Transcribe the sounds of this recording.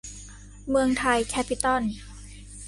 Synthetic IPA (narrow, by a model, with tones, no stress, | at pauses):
mɯ˧əŋt̪ʰa˧jkʰɛː˦˧˥pʰːi˧˥t̪ɔ˥˩n